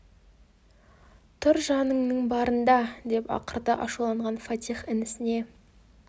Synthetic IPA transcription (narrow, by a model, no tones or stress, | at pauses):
t̪ʰʊɾʒɑnəɴnəɴbɑɾənd̪ɑd̪e̞pɑ̰qəɾd̪əʔɑʃulˠɑɴʁɑnfat̪ʲijχɪnɪsɪne̞